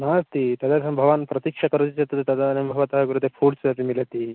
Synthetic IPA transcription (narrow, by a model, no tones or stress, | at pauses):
nast̪it̪ɐd̪asɐmbʱɐʋaːnpɾɐt̪ikʂɐkɐɾutit͡ʃɐt̪ːɐt̪et̪ɐd̪anɐmbʱɐʋɐt̪ɐɦɐɡuɾut̪epʰuːɽsud̪ɐt̪imilɐt̪i